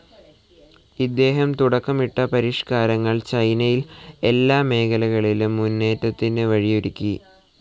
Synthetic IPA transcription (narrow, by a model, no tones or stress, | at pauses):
id̪ːe̞ːɦɐmt̪uɽɐkːɐmiʈːɐpɐɾiʂkaːɾɐŋːɐɭt͡ɕɐjnɐjile̞lːaːme̞ːkʰɐlɐɣɐɭilumːunːe̞ːtːɐt̪ːinɨʋɐɻijuɾikʲːi